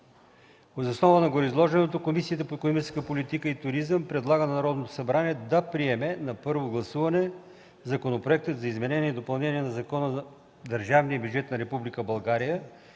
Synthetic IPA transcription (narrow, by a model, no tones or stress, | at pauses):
ozosnɔvənɐɡoɾizlˠɔʒɛnɛt̪okomisiət̪əpoɛkonomit͡ʃɛ̥skəpolit̪ikəit̪ʊɾizəmpɾɛd̪lˠaɡənɐnɐɾɔd̪not̪o̥sɐbɾaniɛd̪ɐpɾiɛmɛnɐpɤɾvoɡlˠɐsuvɐnɛ | zɐkonopɾoɛk̚t̪ət̪zɐizmɛnɛniɛid̪opɐlˠnɛniɛnɐzɐkɔnə | d̪ɐɾʒavnijəbʲjud͡ʒɛt̪nɐɾɛpublikəbɐlˠɡaɾijə